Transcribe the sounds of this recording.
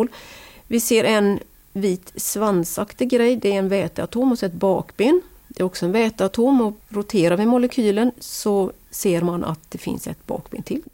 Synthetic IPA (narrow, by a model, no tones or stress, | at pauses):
lvɪseːɾʔɛn | viːt̪svansakt̪ɪɡɾɛjːd̪ɛɾɛnvɛːt̪əat̪ʰoːmɔsɛɛt̪̚bɑ̰ːkbeːn | d̪ɛæɾɔksɔɛnvɛːt̪əat̪ʰoːmɔɾʊt̪ʰeːɾaɾvɪmʊləkʰyːlənsɔseːɾmanʔa̰t̪̚d̪̥ɛfɪ̰nsɛ̰t̪bɑ̰ːkb̥ḛːnt̪ʰɪl